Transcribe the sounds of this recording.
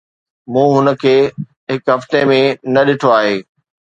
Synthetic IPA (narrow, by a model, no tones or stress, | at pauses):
mũːɦʊnə̆kʰeː | ɦɪkɦɐft̪emẽnɐɗɪʈʰoaːɦeː